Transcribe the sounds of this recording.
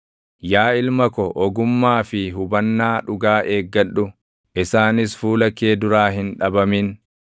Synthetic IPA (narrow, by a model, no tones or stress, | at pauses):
jaːɪlmɐkɔʔɔɡʊmːaːfɪɦʊbɐnːaːᶑʊɡaːʔe̞ːɡːɐᶑːʊ | ʔɪsaːnɪsfuːlɐkːe̞ːd̪ʊɾaːhɪnᶑɐbɐmin